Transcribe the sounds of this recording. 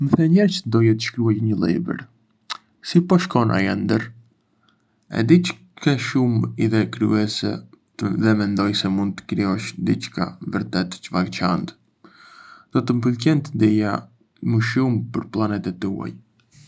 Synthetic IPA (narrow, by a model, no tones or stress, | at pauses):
məθɛɲɛɾt͡ʃd̪ɔjɛt̪ə̥ʃkɾuajɲəlˠɛ̰bə̰ɾ | sipɔʃkɔnʔa̰jɛ̰nd̪əɾ | ɛ̰d̪it͡ʃ | kɛʃumiðɛkɾy̰ɛsɛ̰ | əðɛmɛnd̪ɔjsɛmund̪̚t̪ə̥kɾiɔʃd̪it͡ʃka̰vəɾt̪ɛt̪t͡ʃəvalt͡ʃant̪ | d̪̥ɔt̪əmpəlcɛnt̪əd̪ija | məʃumpəɾplˠanɛt̪ɛt̪ṵa̰j